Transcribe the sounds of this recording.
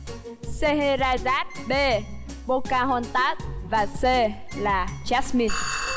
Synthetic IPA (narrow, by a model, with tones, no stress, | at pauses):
se˧ɦe˧zaː˧zaː˦˥t̚ɓe˧˩ | ɓo˧kaː˧ɦɔ˧nt̪aː˦˥t̚vaː˨˩se˧ | laː˨˩t͡ɕa˦˥smi˧